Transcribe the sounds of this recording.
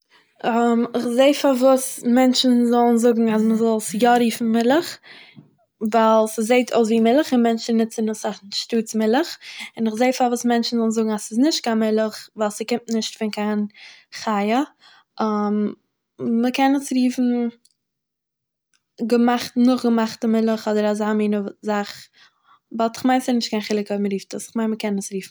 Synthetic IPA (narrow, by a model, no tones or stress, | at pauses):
əmɪχzeɪfaɾvuːsmɛnt͡ʃn̩zɔlˠənzʊɡŋ̩asməzɔlˠsjɔɾiːfɪnmɪlˠəχ | valˠsəzeɪtʰoʊs̬viːmɪlˠəχɪnmɛnt͡ʃnːɪtsɪnəsaχʃtuːt͡smɪlˠəχɪnɪχzeɪfaɾvuːsmɛnt͡ʃn̩zɔlˠn̩zʊɡŋ̩asɪznɪʃt̚kanmɪlˠəχvalˠsəkɪmtnɪʃtfɪnkʰaɪnχaɪə | ʔəm | məkʰɛnəsɾiːfn̩ | ɡəmaχtnʊχɡəmaχtəmɪlˠəχɔdəɾazamiːnəzaχ | valˠtɪ̥χmaɪnsɛːnɪʃtkaɪnχɪlˠɪkɔməɾiːftəsɪχmaɪnməkɛnəsɾiːfn̩